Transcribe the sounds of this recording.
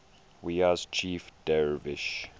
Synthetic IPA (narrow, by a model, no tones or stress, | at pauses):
wiaz̥t͡ʃʰiːfd̥ɛɹvɪʃ